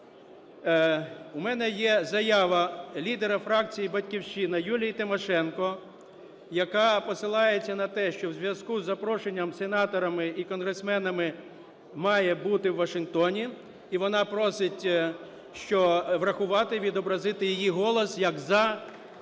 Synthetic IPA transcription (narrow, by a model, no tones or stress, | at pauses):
umɛnɛjɛzɐjɑʋɐlʲid̪eɾɐfɾɑkt͡sʲijibɐtʲkʲiwʃt͡ʃinɐjulʲijit̪ɪmɔʃɛnkɔ | jɐkɑpɔsɪlˠɑjet͡sʲːɐnɐt̪ɛʃt͡ʃɔwzʲʋʲjɐskuzːɐpɾɔʃenʲːɐmsenɑt̪ɔɾɐmɪikɔnɦɾesmɛnɐmɪ | mɑjɛbut̪ɪwːɐʃɪnkt̪ɔnʲi | iʋɔnɑpɾɔsɪtʲ | ʃt͡ʃɔʋɾɐxʊʋɑt̪ɪʋʲid̪ɔbɾɐzɪt̪ɪjijiɦɔlˠɔsjɐkzɐ